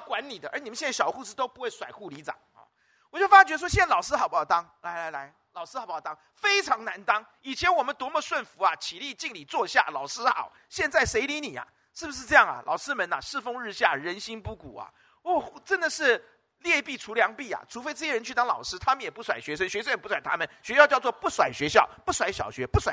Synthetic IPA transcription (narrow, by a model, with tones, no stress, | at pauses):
kwa˧˥nli˨˩d̪ə˦ʔə˞˧˥ni˨˩mə˦ɕɛ˥˧nt͡sa˥˩jɑ˨˩xu˥˧ʂ̩˥˩t̪o˥ʊpu˧˥we˥˩ɪswa˨˩ɪxu˥˩li˧˥t͡sɑ̰˨˩˦ŋ̰˥˧ | wɔ˨˩t͡ɕjo˥˩ʊfa˥t͡ɕɛ˧˥ə˧˩wɔ˥ɕjɛ˥˩n˥lɑ˨˩ʊʂɻ̩˥xɑ˨˦pjɑ˨˩t̪ɑ˥ŋla˧˥ɪla˧˥ɪla˧˥ɪ | lɑ˨˩ʊʂɻ̩˥xpjt̪ɑ˥ŋ | fe˥ɪʈ͡ʂʰɑ˧˥ŋna˧˥nt̪ɑ˥ŋ | i˨˩t͡ɕʰjɛ˧˦˥nwɔ˨˩mə˦nt̪wɔ˧˥mə˧swə˥˩nfu˧˥ɐ˨t͡ɕʰi˨˩li˥˧t͡ɕi˥˩ŋli˨˩t͡swɔ˥˧ɕja̰˥˩lɑ˨˩ʊʂɻɹ̩˥xɑ̰˨˩˦ʊ | ɕjɛ˥˧nt͡sa˥˩ɪʂe˧˥ɪli˧˥ni˨˩ɐ̰a̰˦ | ʂɻ̩˥˩bu˩ʂɻ̩˥˧ʈ͡ʂɤ˥˧jɑ˥˩ŋɐ̰˩lʔɑ̰˨˩ʊʂɻ̩˥mə˧˥nɐ˨ʂɻ̩˥˩fo˥ŋɻɻ̩˥˧ɕja̰˥˩ɻə˧˥nɕi˥npu˥˩kṵ˨˩ɐ̰˨˦ | wɔ˥˩˥ʈ͡ʂə˦˥nd̪ə˨ʂɻ̩˥˧ | ljɛ˥˧pi˥˩ʈ͡ʂʰu˧˥ljɑ˧˥ŋpi˥˩ɐ̰˨˩ʈ͡ʂʰu˧˥fe˥ɪʈ͡ʂɤ˥˩jɛ˥ɻə˧nt͡ɕʰy˥˧t̪ɑ˥ŋlɑ̰˨˩ʊʂɻ̩˥t̪ʰa˥mə˨njɛ˨˩pu˥˩swa˨˩ɪɕɥɛ˧˥ʂə˥nɕɥɛ˧˥sə˥njpu˥˩swa˨˩ɪt̪ʰa̰˥mə˨nɕɥɛ˧˥ɕjt͡ɕɑ˥˧t͡swɔ˥˧pu˥˩swa˨˩ɪɕɥɛ˧˥ɕjɑ˥˩ʊpu˥˩swa˧˥ɪɕjɑ̰˨˩ʊɕɥɛ˧˥pu˥˩swa˨˦